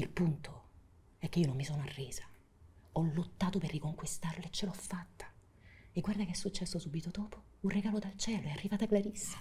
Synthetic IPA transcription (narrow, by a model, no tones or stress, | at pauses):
ilpunt̪o | ɛkːeiːonomːisoːnoarːɛːza | ɔlot̪ːaːt̪operːikoŋkwist̪arleet͡ʃːeloɔfːat̪ːḁ | eɡward̪akeɛsːut͡ʃːɛsːosuːbit̪od̪ɔːpo̥ | urreɡaːlod̪alt͡ʃɛːloɛarːivaːt̪akːlaɾisːḁ